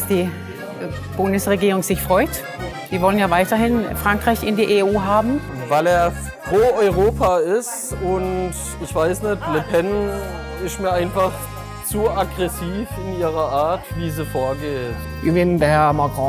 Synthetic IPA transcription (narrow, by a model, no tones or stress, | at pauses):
sd̥iː | b̥ʊndəsʁeɡiːʁʊŋz̥ɪçfʁ̥ɔʏt | d̥iːvɔlənjaːvaɪtɐɦɪnfʁ̥aŋkʁ̥aɪçɪndiːʔeuːɦaːbm̩ | vaɪleːɐ | pʁ̥oːɔʏʁoːpʰaɪstʊnt | ɪçv̥aɪsnɛtlepʰɛn | ɪstmiːɐaɪnfaχ | t͡suaɡʁɛsiːfɪniːʁɐʔaɐtv̥iːzifoːɐɡeːt | ɪbɪndɛhɛɐmakʁɔ̃